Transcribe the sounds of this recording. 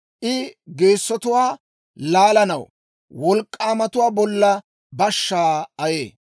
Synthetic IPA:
ʔɪɡe̞ːsːɔt̪ʊwaː | laːlɐnɐw | wɔlkʼːaːmɐt̪ʊwaːbɔlːɐ | bɐʃːaːɐjḛː

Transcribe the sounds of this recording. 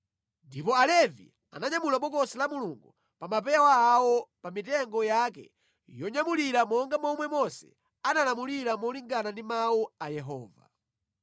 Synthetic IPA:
ndipɔalɛvḭ | a̰naɲamulaɓɔkɔsilamuluŋɡu | pamap̬ɛawaːwɔpamitɛŋɡɔjak̬ɛ̰ | jɔɲamuliɾamɔŋɡamɔmwɛmɔsɛ̥̰ | analamuliɾamɔliŋɡanandimawuajɛɦɔ̰ːva̰

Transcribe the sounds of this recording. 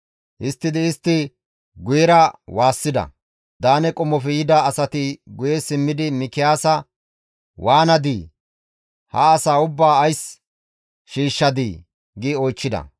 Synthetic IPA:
ʔɪst̪ːɪd̪ɪːst̪ːɪ | ɡʊjɛɾɐwaːsːɪd̪ɐ̰ | d̪aːnɛkʼɔmːɔfɛjɪd̪ɐːsɐt̪ɪɡʊjɛsɪmːɪd̪ɪmɪkɪjaːsɐ | wʔaːnɐd̪iː | hɐ̰ːsaːʊbːaːɐjs | ʃiːʃːɐd̪i | ɡɪɔjt͡ʃːɪd̪ɐ̰

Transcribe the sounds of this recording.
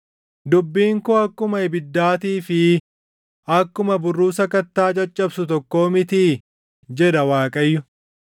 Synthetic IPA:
d̪ʊbːiːŋkʊɐkːʊmɐɪbɪd̪ːaːt̪iːfɪ | ʔɐkːʊmɐbʊrːuːsɐkɐt̪ːaːt͡ʃʼɐt͡ʃʼːɐbsʊt̪ɔkːo̞ːmɪt̪i | d͡ʒɛd̪ɐwaːkʼɐjːʊ

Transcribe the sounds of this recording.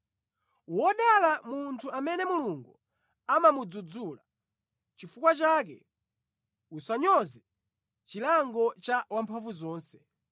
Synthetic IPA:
wɔɗalamuntʰuamɛnɛmuluŋɡu | amamud͡zud͡zuːla | t͡ʃifukwat͡ʃaːk̬ɛ | usaɲɔzɛ | t͡ʃilaŋɡɔt͡ʃawampʰaɱvuzɔːnsɛ̥

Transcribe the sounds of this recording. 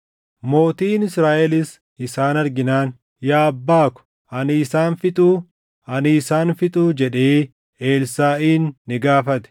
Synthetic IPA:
mo̞ːt̪iːnɪsɾaːʔɛlɪs | ɪsaːnɐɾɡɪnaːn | jaːɐbːaːkʊ̥ | ɐnɪːsaːnfɪt̪ʼuː | ɐnɪːsaːnfɪt̪ʼuːd͡ʒɛᶑeː | eːlsaːʔiːnːɪɡaːfɐt̪ɛ̥

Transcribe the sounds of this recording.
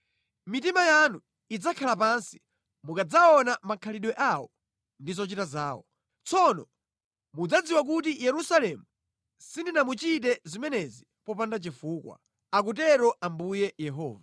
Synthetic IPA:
mit̬imajanu | id͡zakʰalap̬ansi̥ | mukad͡zaɔnamakʰaliɗwɛʔawɔ | ndizɔt͡ʃitazaːwɔ̰ | t͡sɔnɔ | mud͡zad͡ziwak̬ut̬ijɛɾusalɛmu | sindinamut͡ʃit̬ɛzimɛnɛzi | pɔpandat͡ʃifuːkwa̰ | ak̬ut̬ɛɾɔʔambujɛjɛɦɔ̰ːva

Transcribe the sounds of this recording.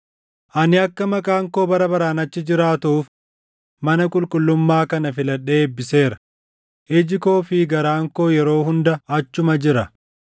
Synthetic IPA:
ʔɐnɪɐkːɐmɐkʼaːŋko̞ːbɐɾɐbɐɾaːnɐt͡ʃːɪd͡ʒɪɾaːt̪uːf | mɐnɐkʼʊlkʼʊlːʊmːaːkɐnɐfɪlɐᶑeːbːɪse̞ːɾɐ̥ | ʔɛd͡ʒɪko̞ːfɪɡɐɾaːŋko̞ːjɛɾo̞ːɦʊnd̪ɐɐt͡ʃːʊmɐd͡ʒɪɾɐ

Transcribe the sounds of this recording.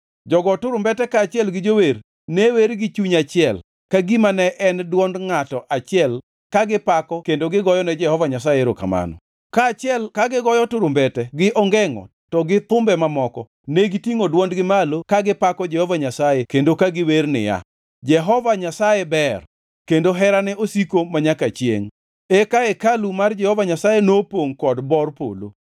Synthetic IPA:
d͡ʒɔɡɔtʊɾʊmbɛtɛkaːt͡ʃɪɛlɡɪd͡ʒower | neweɾɡɪt͡ʃuɲat͡ʃɪɛl | kaɡimanɛʔɛndwɔndŋatɔʔat͡ʃɪɛl | kaɡɪpakɔkendoɡɪɡɔjɔnɛd͡ʒɛhɔvaɲasajeɾoka̰ma̰nɔ̰ | kaːt͡ʃɪɛlkaɡɪɡɔjɔtʊɾʊmbɛtɛɡɪʔɔŋɡɛŋɔ̰ | tɔɡɪt̪ʊmbɛmamɔkɔ | neɡitiŋodwɔndɡɪmalokaɡɪpakɔd͡ʒɛhɔvaɲasajekendokaɡɪwernɪ̰ja̰ | d͡ʒɛɦɔvaɲasajebɛr | kendoɦɛɾanɛʔosikomaɲakat͡ʃjḛŋ | ɛkaekalumard͡ʒɛhɔvaɲasajenopoŋkɔdbɔrpo̰lo̰

